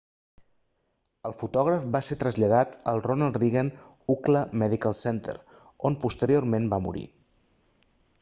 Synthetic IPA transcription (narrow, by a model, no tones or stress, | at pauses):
əlˠfut̪ɔɣ̞ɾəfbaset̪ɾəzʎəð̞at̪əlˠronalˠriɣən | ukləmɛðikəlˠsɛnt̪ə̰ɾ | onpust̪əɾiormẽnbamṵɾḭ